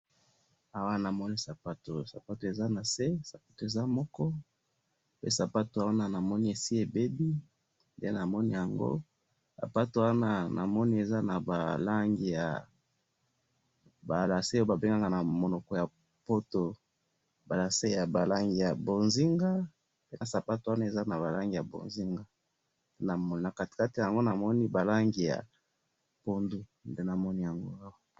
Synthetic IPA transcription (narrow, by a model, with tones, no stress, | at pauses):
a˨wa˦na˨mɔ˦ni˦sa˨pa˦to˨sa˨pa˦to˨e˨za˦na˨se˦sa˨pḁ˦to˨e˨za˦mɔ˦kɔ˦ | pe˦sa˨pa˦ta˨wa˦na˦˨na˨mɔ˦ni˦e˨si˦e˨be˦bi˦ | ndḛ˦na˨mɔ˦ni˦ja˨ŋɡo̰˦ | sa̰˨pa˦to˨wa˦na˦nʔa̰˨mɔ˦ni˦e˨za˦na˨ba̰˨la˦ŋɡi˨ja̰˨ | ba˨la˨se˦o˦ba˨be˦ŋɡa˦ŋɡa˦na˨mo˨nɔ˨kɔ˨ja˨ | po˦to˨ | ba˨la˨se˦ja˨ba˨la˦ŋɡi˨ja˨bo˨nzi˦ŋɡa˦ | pe˦na˨sa˨pa˦to˨wa˦na˦e˨za˦na˨ba˨la˦ŋɡi˨ja˨bo̰˨nzi˦ŋɡa˦ | de˦na˨mɔ˦n˨na˨ka˦ti̥˨ka˦ti˨ja˨ŋɡo˦na˨mɔ˦ni˦ba˨la˦ŋɡi˨ja̰˨ | po˦ndu˦nde˦na˨mɔ˦ni˦ja˨ŋɡo̰˦a˦wa˦